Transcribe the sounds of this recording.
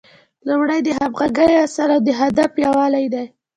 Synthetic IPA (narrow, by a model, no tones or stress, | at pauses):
lumɽajd̪əɦabɣaɡajasaɾawd̪əɦad̪afjɑwɑlajd̪aj